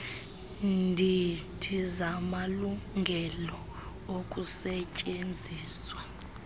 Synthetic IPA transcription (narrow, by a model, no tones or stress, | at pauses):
ndʱitʰizamaluŋɡʱɛlɔ | ok̬ʼusɛcʼend͡zʱiːswa